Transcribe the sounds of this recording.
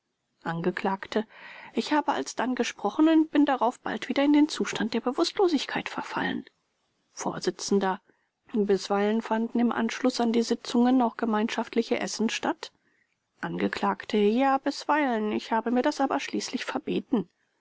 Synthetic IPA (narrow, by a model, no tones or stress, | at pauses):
ʔanɡəkl̥aːktʰəʔɪçhaːbəʔa̰lsd̥anɡəʃpʁ̥ɔχn̩ʊntb̥ɪndaʁaʊfb̥a̰ltv̥iːdɐɪndeːnt͡suːʃtant̚d̥eːɐbəvʊstʰloːzɪçkʰaɪtfɛɐfa̰lə̰n | fo̰ːɐzɪt͡sn̩dɐ | bɪsv̥aɪlənfandn̩ɪmʔa̰nʃlʊsandiːzɪt͡sʊŋənaʊxɡ̥əmaɪnʃaftʰlɪçəʔɛ̰sn̩ʃtat | ʔanɡəkʰl̥aːktʰəjaːbɪsv̥aɪlənɪçhaːbəmiːɐdasʔaːbɐʃliːslɪçfɛɐbeːtn̩